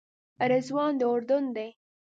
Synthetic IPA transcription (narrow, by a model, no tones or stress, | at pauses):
aɾazwɑnd̪əʊɾd̪ʊnd̪e